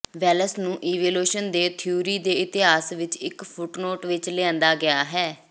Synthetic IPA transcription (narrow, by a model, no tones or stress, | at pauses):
ʋɛːləsnũːʔiːʋeːloːʃənd̪eːt̪ʰɪjuːɾiːd̪eːɪt̪ɪɦaːsʋɪt͡ʃɪkpʰʊʈnoːʈʋɪt͡ʃleãːnd̪aːɡɪaːɦɛː